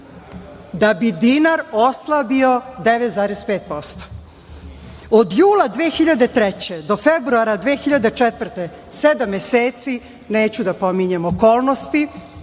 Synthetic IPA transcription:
d̪abid̪inaɾoslˠabio̞d̪eʋet̪zaːɾespeːt̪̚po̞st̪o̥ | od̪juːlˠad̪ʋeːxiʎad̪e̞t̪ɾɛt͡ɕed̪o̞febɾuaɾad̪ʋeːxiʎad̪et͡ʂɛt̪vr̩t̪e | sed̪amːeseːt̪si | neːt͡ɕud̪apo̞miɲemoko̞ːlˠnost̪i

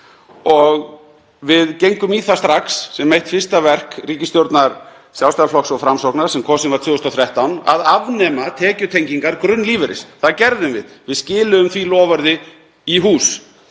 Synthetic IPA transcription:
ɔɣ | vɪðcejŋkʏmiθast̪ɾaxsːɛmːejht̪fɪ̥st̪avɛr̥kriːcɪst̪jowɾt̪naɾ̥ | sjawst̪alflɔksɔɣfɾamsowknaɾ̥sɛmkʰɔsɪnvaɾt̪ʰvʏːʏst̪ɔθɾjɛht̪awna̰ðavnɛːmat̪ʰɛːcʏt̪ʰejɲciŋkaɾkɾʏnːliːvɪɾɪ̰sθaðcɛɾðʏmvɪ̰ðvɪðscɪːlʏʏmθilɔːvaɾðɪ | iɦuːs

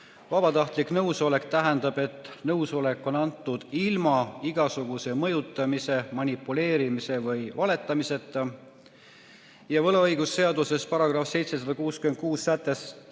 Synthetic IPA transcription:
vɑbɑt̪ɑht̪liknɤwso̞le̞kt̪æɦɛnd̪ɑb̥e̞t̪ːˑnɤwso̞le̞kːˑo̞nɑnt̪ːˑud̪̥ilmɑiɡ̥ɑsuɡ̥use̞mɤ̞jut̪ˑːɑmise̞mɑnʲipːule̞ːɾimise̞vɤjvɑle̞t̪ːˑɑmise̞t̪ːˑ | jɑvɤlɑɤjɡ̥usːe̞ɑd̪use̞spɑɾɑɡ̥rɑfse̞jt̪se̞sɑd̪̥ɑkuːskymen̚kuːsːæt̪ːˑe̞s

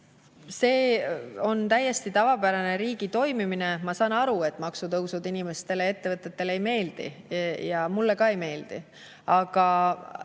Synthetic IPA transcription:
se̞ːo̞nt̪æjːe̞st̪it̪ɑvɑpæɾɑne̞ɾiːɡ̥it̪o̞jmimine̞mɑsɑːnɑɾue̞t̪ːˑmɑksut̪ɤwsud̪inime̞st̪e̞lee̞t̪ːe̞vɤt̪ːˑe̞t̪ːe̞lejme̞ːld̪̥ḭjɑmulːekɑe̞jme̞ːld̪̥ḭ | ɑɡ̥ɑ

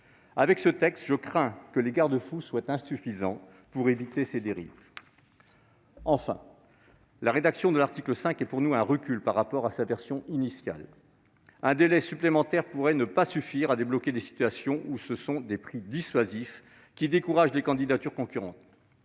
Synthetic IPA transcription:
avɛksət̪ɛkst̪ʒəkχɛ̃kəleɡaʁd̪əfuswat̪ɛ̃syfizɑ̃ | puʁevit̪esed̪eʁḭv | ɑ̃fɛ̰̃ | laʁed̪aksjɔ̃d̪əlaʁt̪ikləsɛ̃kɛpuʁnuɛ̃ʁəkʲylpaʁːapɔʁasavɛʁsjɔ̃ʔinisja̰l | ɛ̃d̪elɛsyplemɑ̃t̪ɛʁpuʁɛnəpasyfiʁad̪eblɔked̪esi̥t̪ɥasjɔ̃ʔusəsɔ̃d̪epχid̪isɥazif | kʲid̪ekuʁaʒlekɑ̃d̪id̪at̪yʁkɔ̃kʲyʁɑ̰̃t̪

